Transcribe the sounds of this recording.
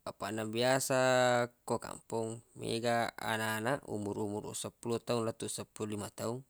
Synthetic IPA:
apanabiasakoka̰mpuŋmḛɡaa̰naːnaʔṵmuɾumurṵsapulɔt̪aunlat̪usapulɔlimat̪auŋ

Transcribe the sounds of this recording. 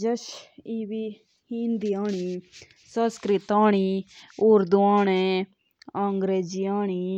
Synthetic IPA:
d͡ʒɐʃiːʋi | hind̪ijaːɽi | sɐ̃skɾit̪aːɳiuɾd̪uaːɳe | aŋɡɾeːd͡ʒiaːɳ̃i

